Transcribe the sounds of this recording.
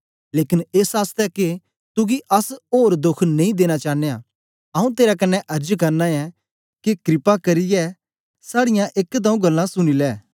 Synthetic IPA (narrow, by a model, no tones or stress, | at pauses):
leːkɪneːsaːst̪ɛke | t̪ʊɡiʔɐsoːɾd̪ʊkʰnɐ̃ĩd̪eːɽ̃at͡ʃaːnea̰ | ɐũt̪eːɾakɐnːɛʔɐɾd͡ʒkɐɾnaɛ | kekɾɪpakɐɾɪjɛ | saːɽɪjãʔekt̪̬aũɡɐlːãsʊɽ̃ilɛː